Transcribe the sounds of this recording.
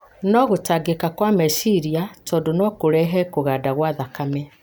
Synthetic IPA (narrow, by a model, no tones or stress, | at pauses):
nɔɣotaɡekakwamɛsiɾiatʰɔːdonɔkoɾɛɦɛkoɣaːdaɣwaðakamɛ